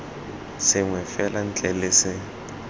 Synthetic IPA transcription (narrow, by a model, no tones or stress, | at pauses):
sɪŋwɛfɛlan̩t͡ɬʼɛlɪsɪ